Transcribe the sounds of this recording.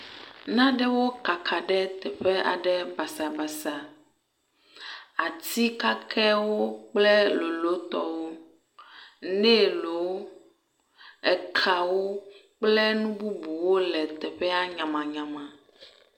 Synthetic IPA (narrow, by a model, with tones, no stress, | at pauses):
nã˦ɖɛ˦wo˦ka˨kʰa˨ɖɛ˦t̪ɛ˨ɸɛ˦a̰˨ɖɛ˦ba˨sa˨ba˨sa˨ | a˨t̪i˦ka˦kʰɛ˦wo˦k͡plɛ˦lo˨lo˦t̪ɔ̰˦wo˦ | nɛ˦˨lo˨˦ | ɛ˨kʰa˨wo˦ | k͡plɛ˦nũ˦bu˦bu˨wo˦lɛ˨t̪ɛ˨ɸɛ˦a˦ɲã˨mã˨ɲã˨mã˨